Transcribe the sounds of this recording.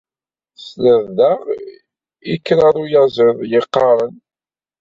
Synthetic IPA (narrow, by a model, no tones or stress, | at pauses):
sləððəʁ | ikːɾaɾˤujəzəðˤjəqːɑɾˤən